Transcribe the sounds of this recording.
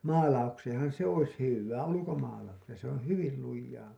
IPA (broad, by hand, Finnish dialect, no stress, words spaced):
mɑːlɑukseːẽhɑn̞ se ois hyʋːæː ulukomɑːlɑukseːn̞ se õː hyʋil lujːɑː